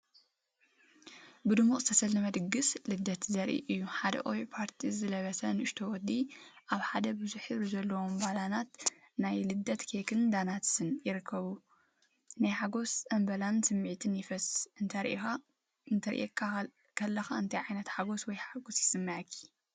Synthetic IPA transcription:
bɨd̪ɨmukʼzɨt̪ʰɐsɐlnɐmɐd̪ɨɡːɨslɨd̪ːɐt̪zɐɾʔḭʔɨjːuħad̪ɐ̰ʔowjpʰaɾt̪ʰizɨlɐβɐsɐnɨʔɨʃt̪ʰowɔd̪iʔaβħad̪ɐbɨzuħizɐlːɐwombalanat̪ | najlɨd̪ːɐt̪kʰekʰɨnd̪anat̪ɨnjɪɾɨkʰːɐβu | najħaɡo̞sɐmbɐlansɨmːɨʕt̪ʰɨnjɪfɐsɨnt̪ʰɐɾʔixa | ɨnt̪ʰɐɾʔḛkʰa | kʰɐlːɐxaɨnt̪ʰɐjʕajnɐt̪ħaɡo̞swɔjħaɡo̞sjɪsɨmːɐʕkʰːi̥

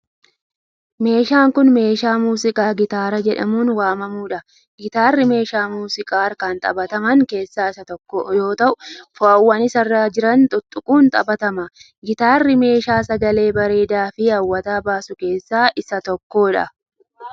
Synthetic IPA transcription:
me̞ːʃaːŋkʊnme̞ːʃaːmuːsɪkʼaːɡɪt̪aːɾɐd͡ʒɛᶑɐ̰muːnwaːmɐmuːᶑɐ | ɡɪt̪aːrːɪme̞ːʃaːmuːsɪkʼaːɾkɐnt̪ʼɐ̰bɐt̪ɐmɐŋke̞ːsːaːɪsɐt̪ɔːojo̞ːt̪ɐʔʊfʊɐwːɐnɪsɐrːaːd͡ʒɪɾɐnt̪ʼʊt̪ʼːʊkʼuːnt̪ʼɐ̰bɐt̪ɐmɐ | ɡɪt̪aːrːɪme̞ːʃaːsɐɡɐle̞ːbɐɾe̞ːd̪aːfɪɐwːɐt̪aːbaːsʊke̞ːsːaːʔɪsɐt̪ɔkːo̞ːᶑɐ̰

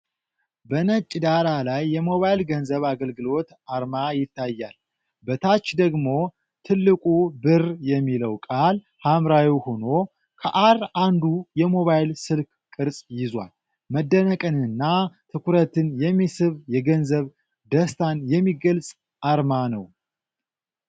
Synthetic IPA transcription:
bənət͡ʃʼːd̪alalajːɛmo̞βajlɡənzəβaɡəlɡɨlo̞t̪ | aɾmajɪt̪ʰːajːal | bət̪ʰat͡ʃːd̪əɡmo̞ | t̪ʰɨlːɨkʼubɨrjɛmːiləwkʼal | hamɾawiwho̞no̞ | kʰəʔarand̪ujɛmo̞βajlsɨlk | kʼɨɾsʼjɪzwa̰l | məd̪ːənəkʼɨnɨnːat̪ʰɨkʰuɾət̪ɨnjɛmːisɨβjɛɡənzəβ | d̪əst̪ʰanjɛmːiɡəlsʼ | ʔaɾmanəw

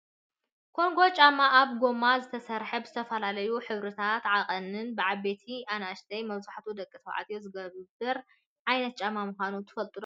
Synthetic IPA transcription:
kʰo̞ŋɡo̞t͡ʃʼamaʔaβɡo̞mazɨt̪ʰɐsɐɾħɐbzɨt̪ʰɐfɐlalɐjuħɨβɾɨt̪ʰat̪ʕaqʼɐnɨnbɨʕaβe̞t̪ʰiʔanaʃt̪ʰɐjmɐβzaħt̪ʰud̪ɐkʼːɨt̪ʰɐwʕa̰t̪ʼjozɨɡɐβbɨɾ | ʕajnɐt̪̚t͡ʃʼamamɨxʷanut̪ʰɨ̥fɐlt̪ʼɨlo

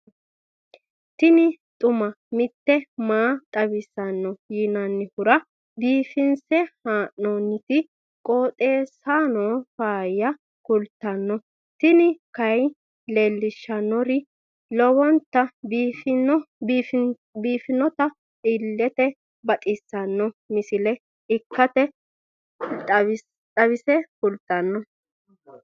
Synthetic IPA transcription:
t̪ɪnɪt̪ʼʊmɐ | mɪt̪ːɛmaːt̪ʼɐβɪsɐnːɔjɪnɐnːɪhʊɾɐ | biːfɪnsɛhaːʔonːɪt̪ɪ | kʼoːt̪ʼe̞ːsaːnoːfaːjːɐ | kʊlt̪ːɐnːɔ | t̪ɪnɪkɐj | le̞ːlːɪʃːɐnːɔɾɪ | lɔwɔnt̪ːɐbf | biːfɪnːɔt̪ɐ | ɪlːɛt̪ɛ | bɐt̪ʼɪsːɐnːɔmɪsɪlɛ | ɪkːɐt̪ɛ | ɐ | t̪ʼɐβɪsɛkʊlt̪ːɐnːɔ

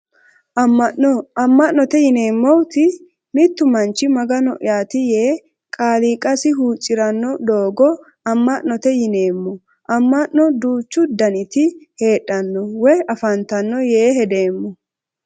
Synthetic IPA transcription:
ʔɐmːɐʔɔɐmːɐʔːɔt̪ɛjɪne̞ːmːɔwt̪ɪ | mɪt̪ːʊmɐnt͡ʃːɪmɐɡɐnɔʔjaːt̪ɪje̞ː | kʼaːliːkʼɐsɪɦuːt͡ʃʼːɪɾɐnːɔd̪oːɡɔ | ɐmːɐʔnɔt̪ɛjɪneːmːɔ | ʔɐmːɐʔnɔd̪uːt͡ʃːʊd̪ɐnɪt̪ɪhe̞ːᶑːɐnːɔwɛjɐfɐnt̪ɐnːɔje̞ːɦɛd̪e̞ːmːɔ

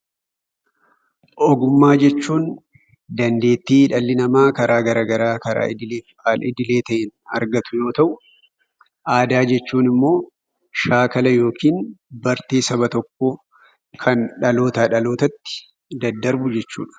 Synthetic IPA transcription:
ʔɔɡʊmːaːd͡ʒɛt͡ʃːuːn | d̪ɐnd̪e̞ːt̪ːiːᶑɐlːɪnɐmaːkɐɾaːɡɐɾaːɡɐɾaːkɐɾa̰ːɪd̪ɪleːfaːlɪd̪ɪle̞ːt̪ɐʔɪnɐ̰ɾɡɐt̪ʊjo̞ːt̪ɐʔʊ | ʔaːd̪aːd͡ʒɛt͡ʃːuːnɪmːo̞ː | ʃaːkɐlɐjo̞ːkʰiːnbɐɾt̪eːsɐbɐt̪ɔkːo | kʰɐnᶑɐlo̞ːt̪aᶑɐlo̞ːt̪ɐt̪ːɪ̥ | d̪ɐd̪ːɐɾbʊd͡ʒɛt͡ʃːṵːᶑɐ̥

